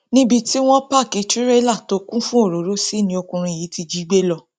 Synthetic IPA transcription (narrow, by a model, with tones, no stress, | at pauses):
nĩ˦bi˧ti˦w̃ɔ̃˦pa˦˨ki˨˧ti˦ɾɛ˦la˦˨to˨˦kũ˦fũ˦o˦˨ɾo˨˦ɾo˦si˦˨nĩ˧o˧kũ˧ɾ̃ĩ˧˨ji˨˦ti˧d͡ʒi˦ɡ͡be˦lɔ˧